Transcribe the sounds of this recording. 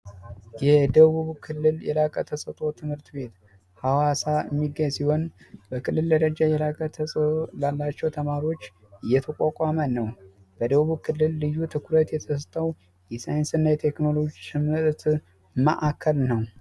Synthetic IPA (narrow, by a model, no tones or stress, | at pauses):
jɛd̪əββuβkʰɨlːɨljɛ̰lakʼət̪ʰəsʼət̪ʼo̞t̪ʰɨmhɨɾt̪be̞t̪ | hawasaəmːiɡəɲsiho̞nbəkʰɨlːɨld̪əɾəd͡ʒajɛlakʼət̪ʰəsʼolalːat͡ʃːɛwt̪ʰəmaɾo̞t͡ʃː | ɨjːɛt̪ʰəkʷʼakʼamənəw | b̥əd̪əβuβkʰɨlːɨlːɨjːut̪ʰɨkʰuɾət̪jɛt̪ʰəst̪ʼəw | jɛsajnsɨnːajɛt̪ʰe̞kno̞lo̞d͡ʒitʰɨmɨɾt̪ | mə̰ʔakʰːəlnəw